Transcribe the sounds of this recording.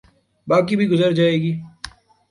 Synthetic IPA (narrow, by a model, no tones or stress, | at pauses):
baːk̬ibʱiɡʊzəɾd͡ʒaːeːɡiː